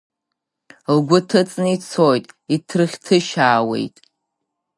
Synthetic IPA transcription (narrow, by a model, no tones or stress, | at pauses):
lɡʷʊtʰɨt͡sʼnɨit͡sʰoːjtʼitʰrχʲtʰɨʃaːwḛjtʼ